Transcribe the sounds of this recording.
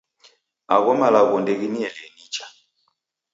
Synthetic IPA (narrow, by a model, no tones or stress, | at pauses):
a̰ɣɔmalaɣɔndɛɣiniɛlɛnit͡ʃa